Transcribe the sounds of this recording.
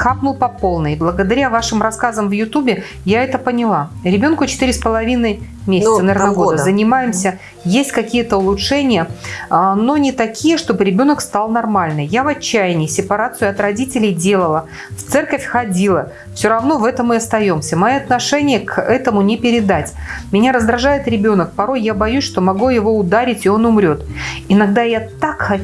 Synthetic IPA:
kapnʊlˠpɐpo̞lˠnɨjblˠəɡəd̪ɐɾʲavaʂɨmrɐskazəmvjʊt̪ubʲɪ | jaɛt̪əpənʲɪlˠaɾʲɪbʲo̞nkʊt͡ɕɪ̥t̪iɾʲɪspəlˠɐvʲinəj | mʲesʲɪtsənɐvʲernəɡood̪əzənʲɪmajɪmsʲə | jesʲtʲkɐkʲijət̪əʊlˠʊtʂɛnʲɪjəano̞nʲɪt̪ɐkʲʰijəʂt̪o̞bɨɾʲɪbʲo̞nəkst̪ɑlˠnɐrmalʲnɨjjavɐt͡ɕːæjɪnʲɪsʲɪpɐɾat̪sɨʊɐt̪rɐdʲitʲɪlʲɪjdʲe̞lˠəlˠə | ft̪sɛrkəfʲxɐdʲilˠə | fsʲoɾɐvno̞vɛt̪əmɨɐst̪ɐjo̞msʲəmɐjiɐt̪nɐʂɛnʲɪjəkɛt̪əmʊnʲɪpʲɪɾʲɪd̪atʲmʲɪnʲaɾəzd̪ɾɐʐajɪt̪ɾʲɪbʲo̞nək̚pɐɾo̞jːabɐjusʲʂt̪o̞mɐɡujɪvo̞ʊd̪aɾʲɪtʲɪo̞nʊmɾʲo̞t̪ɪnɐɡ̚d̪ajat̪akxɐ

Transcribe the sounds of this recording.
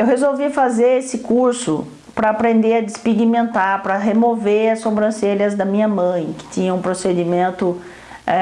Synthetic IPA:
ewɦezowvifazeɾesɪkuɾsʊ | pɾɐːpɾẽnd̪eɾɐd̪ɪspiɡimẽnt̪aɾpɾɐɦemoveɾɐsõbɾɐ̃selɐzd̪ɐmĩɲɐmɐ̃j̃kɪ̥t̪ĩɲɐ̃ũpɾosed͡ʒimẽnt̪ʊ

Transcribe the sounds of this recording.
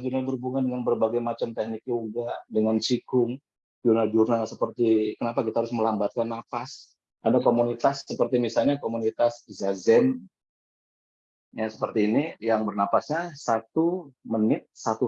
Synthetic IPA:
d͡ʒunabərubuŋandəŋanbərbaɡajmat͡ʃamt̪ɛhnik̚joɡadəŋant͡ʃikʊŋ | purnald͡ʒurnalsəpərt̪ikənapakit̪ahaɾʊsməlambat̪̚kanːafas | ʔadakomunit̪asːəpərt̪imisalɲakomunit̪aszazɛn | jasə̥pərt̪iːnijaŋbərnafasɲasat̪umənɪt̪̚sat̪u

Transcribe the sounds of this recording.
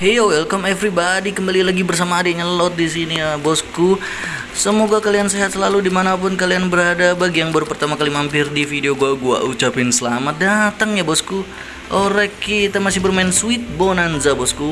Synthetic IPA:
hejowɛlkɔmɛvɾibadikəmbalilaɡibərs̬amaːdaɲalɔt̪̚dis̬iniabɔsku | səmoɡakalianseɦat̪̚səlaludimanapʊnkalianbəɾadabaɡijaŋbaɾupərt̪amakalimampɪrdifideoɡuaɡua̰ʔut͡ʃapɪnsəlamat̪̚dat̪aŋjabɔsku | ʔoɾɛkit̪amasɪhbərmaɪnsuɪt̪̚bonanzabɔsku

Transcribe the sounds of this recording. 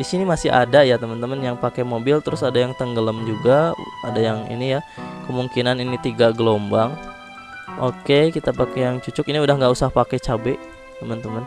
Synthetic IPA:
disinimasɪɦa̰dajat̪əmənt̪əmənjaŋpakɛmobɪlt̪əɾʊsadajaŋt̪əŋɡələmd͡ʒuɡaa̰dajaŋḭnijakəmuŋkinaninit̪iɡaɡəlombaŋ | ʔokekit̪apakejaŋt͡ʃut͡ʃʊkiniudahŋɡausahpakɛt͡ʃabɛʔ | t̪əmənt̪əmən

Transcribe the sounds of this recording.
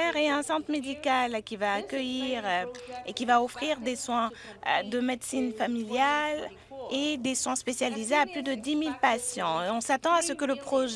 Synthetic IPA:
ɛʁeɛ̃sɑ̃t̪χmed̪ikalkʲivaːkʲəjiʁekʲivaɔfχiʁd̪eswɛ̃ | d̪əmed̪sinfamiljal | ed̪eswɛ̃spesjalizeaplyd̪əd̪imilpasjɑ̃ɔ̃sat̪ɑ̃asəkələpχɔʒ

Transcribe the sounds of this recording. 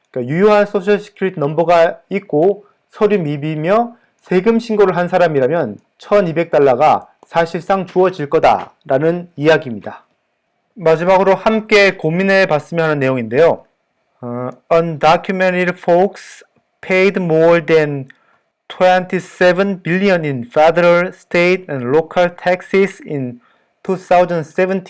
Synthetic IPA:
k͈ajujoɦans͈ʰoɕʰʌɭɕʰi̥kʰiɾitʰnʌmbʌɡaik̚k͈o | sʰʌɾimibimjʌ | sʰe̞ɡɯmɕʰinɡoɾɯɭɦansʰaɾamiɾamjʌn | t͡ɕʰʌnibe̞k̚t͈aɭːaɡa | sʰaɕʰiɭs͈aŋt͡ɕuʌd͡ʑiɭk͈ʌda̰ɾanɯnijaɡimɲida | mad͡ʑimaɡɯɾohamk͈e̞kominepas͈ɯmjʌɦanɯnːe̞joŋinde̞jo | ʌndakʰjumeniɾfoks | pʰejidmoden | tʰwentʰisebɯnbiʎːiʌninfedʌɾʌɭstʰetʰandɭokʰaɭtʰek̚s͈isin | tʰuθʰawud͡ʑʌns͈ebɯntʰ

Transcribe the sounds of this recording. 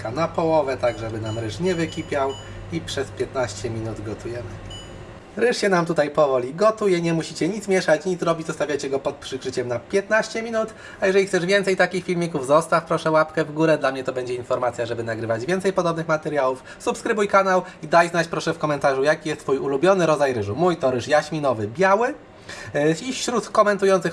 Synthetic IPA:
kanapɔwɔvɛt̪aɡʐɛbɘnamɾɘʂɲɛvɘkʲipʲjaw | ipʂɛspʲjɛt̪naɕt͡ɕɛmʲinud̪ɡɔt̪ʰujɛmɘ | ɾɘʂɕɛnamt̪ut̪ajpɔvɔlʲiɡɔt̪ujɛɲɛmuɕit͡ɕɛɲit̪smʲjɛʂat͡ɕɲit̪zɾɔbʲit͡ɕzɔst̪avʲjajt͡ɕɛɡɔpɔt̪̚pʂɘkʂɘt͡ɕɛmnapʲjɛt̪naɕt͡ɕɛmʲinut̪ | ajɛʐɛlʲixkt̪ɛʐvʲjɛnt̪sɛjt̪akʲixfʲilmʲikuvzɔst̪afpɾɔʂɛwapkɛvɡuɾɛd̪lamɲɛt̪ɔbɛɲd͡ʑɛinfɔɾmat̪sʲjaʐɛbɘnaɡɾɘvad͡ʑvʲjɛnt̪sɛjpɔd̪ɔbnɘxmat̪ɛɾjawuf | supskɾɘbujkanawid̪ajznat͡ɕpɾɔʂɛfkɔmɛnt̪aʐujakʲijɛst̪ːfujulubʲjɔnɘɾɔd̪ajɾɘʐumujt̪ɔɾɘʂjaɕmʲinɔvɘbʲjawɘ | iɕɾut̪kɔmɛnt̪ujɔnt̪sɘx

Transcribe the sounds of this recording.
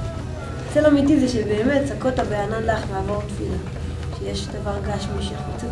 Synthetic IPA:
selamitizeʃebeːmett͡sakotabeananlaχmaːvoʁtfila | ʃejeʃd̪avaʁɡaʃmiʃeχut͡si

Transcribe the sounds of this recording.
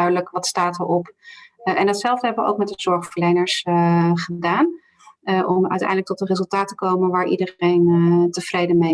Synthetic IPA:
ɥdələkʋɑtstaːtəɹʔɔp | ɛndɑtsɛlˠvdəɦɛbəʋəʔo̰wk̚mɛt̚əz̥ɔɹχfəɹlejnəɹsχədaːn | ʔɔmœ̰ɥtɛ̰jndləktɔtənrezɵlˠtaːtəkowmənʋaːɹʔḭdərejntəv̥rejdəme

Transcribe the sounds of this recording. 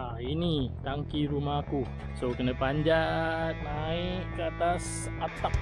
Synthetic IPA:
a | init̪aŋkiɾumaku | sokənəpaɲd͡ʒat̪̚naɪkːəat̪as | at̪ak̚

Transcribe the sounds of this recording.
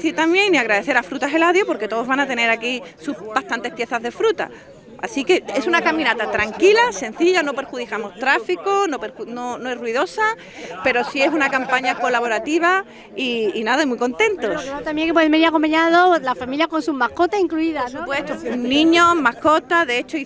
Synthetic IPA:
θit̪amje̞ŋniaɣɾaðeθe̞ɾafɾut̪aɦe̞laðjopo̞ɾke̞t̪o̞ð̞o̞zβanat̪e̞ne̞ɾakisuhbast̪ant̪e̞hpje̞θazðe̞fɾut̪a̰ | a̰sike̞e̞sunakamĩnat̪at̪ɾaŋkilase̞n̟θiʎano̞pe̞ɾxuðikamo̞st̪ɾafikono̞peɾuno̞no̞e̞ɦrwiðo̞sa | pe̞ɾo̞sie̞s̬unakampaɲako̞laβo̞ɾat̪iβ̞a | iinaðamwujko̞nt̪ẽ̞nt̪oot̪amjeŋkepweðembeɾiakompaɲaðolafamiljakõ̞nsumako̞t̪asiŋkluiðaupwet̪onĩɲomahko̞t̪aðeet͡ʃoi

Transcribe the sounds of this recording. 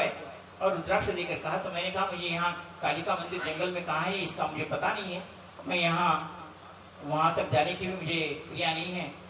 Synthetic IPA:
e | ɔːɾʊd̪ɾaːkʃod̪eːkəɾkɐɦat̪omɛ̃ːnekɐɦamʊd͡ʒʱejɐɦãkaːlikamɐ̃nd̪ɪɾd͡ʒɐ̃ŋɡəlmẽkɐɦãɦɛɪskamʊd͡ʒʱepɐt̪anɐɦĩɦɛ̃ː | mɛ̃ːjɐɦã | ʋɐɦãt̪ɐkd͡ʒaːnekebiemʊd͡ʒʱepɾijanɐɦĩɦɛ̃ː

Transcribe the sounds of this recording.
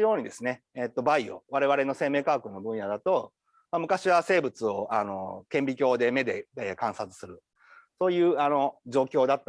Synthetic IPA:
jo̞ːɲ̟id̪e̞sɨne̞ | et̪ːo̞baio̞̰βaɾe̞βaɾe̞no̞se̞ːme̞ːkaːkɯ̟nːo̞bɯ̟̃ɰ̃jad̪at̪o̞ | mamɯ̟kaɕiβase̞ːbɯ̟t͡sɨo̞ano̞kẽ̞mbʲikʲo̞ːd̪e̞me̞d̪e̞ekãɰ̃sat͡sɨ̥sɨɾɯ̟ | so̞ːjɯ̟ːano̞d͡ʑo̞ːkʲo̞ːd̪at̪ːa

